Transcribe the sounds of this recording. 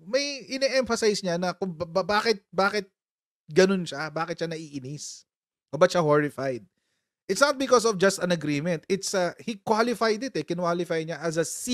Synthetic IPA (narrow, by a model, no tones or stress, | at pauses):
mɐjʔɪnɛʔɛmfɐsajsɲanɐkʊŋbɐbaːkɪt̪̚baːkɪt̪̚ | ɡɐnonʃabaːkɪt̪̚ʃanɐʔiːʔɪnɪs | ʔobɐt̪̚ʃahoɹɪfajd̪̚ | ʔɪt̪snɐt̪̚bɪkɔsɔfd͡ʒɐst̪ɐ̃nɐɡɾimɛ̃nt̪ɪt̪sɐhikwalɪfajd̪ɪt̪ɛkɪnwalɪfajɲaʔɐzɐsi